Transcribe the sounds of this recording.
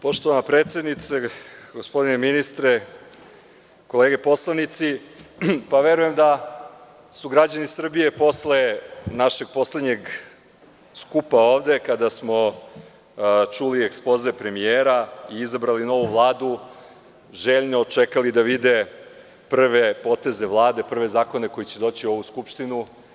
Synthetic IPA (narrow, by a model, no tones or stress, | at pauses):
po̞ʃt̪oʋanapɾeːt̪sjed̪nit̪seɡo̞spo̞d̪ineminist̪ɾe | ko̞leːɡe̞po̞slˠanit̪si | paʋeɾuje̞md̪a | suɡɾad͡ʑanisr̩bije̞po̞sle̞naʃe̞ɡ̚po̞sled̪ɲe̞ɡ | skupaoːʋd̪e̞kad̪asmo̞ | t͡ʃuliekspo̞zepɾe̞mieːɾaiizabɾalino̞ʋuvlˠaːd̪u | ʒeːʎnoːt͡ʃekalid̪aʋid̪e̞ | pr̩ʋe̞po̞t̪e̞ze̞ʋlˠaːd̪e̞pr̩ʋe̞zaːko̞ne̞ko̞jit͡ɕed̪o̞ːt͡ɕio̞ʋuskupʃt̪inu